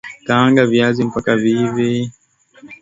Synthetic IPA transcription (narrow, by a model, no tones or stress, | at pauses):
taaŋɡaviazim̩pakavivi